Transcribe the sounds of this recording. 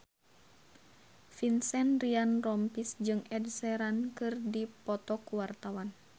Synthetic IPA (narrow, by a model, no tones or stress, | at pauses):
finsɛnrianrɔmpisd͡ʒɨŋɛdsɛɾankɨrdipɔt̪ɔkuwart̪awan